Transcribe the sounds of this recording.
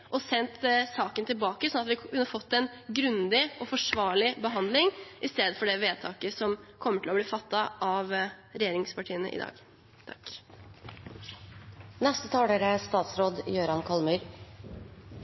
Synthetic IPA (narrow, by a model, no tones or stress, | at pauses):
ʔɔsɛnt̪sɑːkənt̪ʰɪlbɑːkəsɔnːɑt̪ʋɪkʰʉnːəfɔt̪ːɛnɡɾʉnd̪ɪɔfɔʂʋɑːɭɪbəɦɑnd̪lɪŋʔɪst̪eːd̪əfɔɖɛʋeːt̪ʰɑːkəsɔmkʰɔmːəʈʰɪlɔbliːfɑt̪ːɑʔɑʋɾɛjeːɾɪŋspʰɑʈʰiːənəʔɪ̰d̪ɑ̰ːɡ | t̪ʰɑ̥k | nɛst̪ət̪ʰɑːɽəːɾəst̪ɑːt̪sɾoːd̪jøːɾɑnkʰɑlmʉɾ